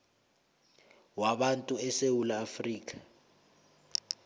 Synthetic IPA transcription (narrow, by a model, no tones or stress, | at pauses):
waɓantʼuɛsewulaːfriːk̬ʼḁ